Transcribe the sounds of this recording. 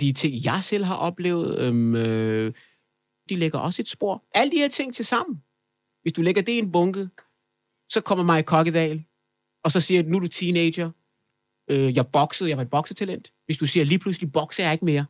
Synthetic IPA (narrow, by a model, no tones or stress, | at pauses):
d̥it͡sʰe̝ŋ̰jɑ̈ɪsel̰ɦɑ̈ʔɒ̽b̥le̝̰ːʊð̞̩ˠømø | d̥ileɡ̥ɐʔɒ̽se̝d̥sb̥o̝ɐ̰ʔæləd̥iheɐt͡sʰe̝ŋ̰t͡sʰe̝lsɑ̈m̰n̩ | ʋe̝sd̥uleɡ̥ɐd̥e̝enb̥ɔ̽ŋɡ̥ə | sɒ̽kʰɒ̽m̰ɐmɑ̈ɪkʰɒɡ̥əd̥ɛːl | ɒ̽sɒ̽siːɐnud̥ut͡sʰiːneɪ̥ɐ | øjɑ̈ɪb̥ɒ̽ɡ̥sð̩ˠjɑɑ̈e̝d̚b̥ɒ̽ɡ̥sət͡sʰælen̰d̥ʋe̝sd̥usiːɐliːpʰlus̬lib̥ɒ̽ɡ̥sɐjɑ̈ɪe̝ɡ̥me̝ːɐ